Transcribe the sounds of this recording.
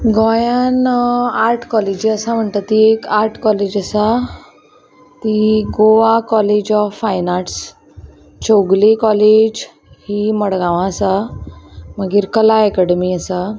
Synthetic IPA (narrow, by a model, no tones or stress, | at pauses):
ɡɔjanaɾʈʰkɔled͡ʑiəsam̤əɳt̪ət̪iekaɾʈʰkɔled͡ʑəsa | t̪iɡoʋakɔled͡ʑɔfːajnaʈs | t͡ɕoɡlikɔled͡ʑ | himəɽɡãʋãəsa | məɡiːɾkəlaəkəɽəmiəsa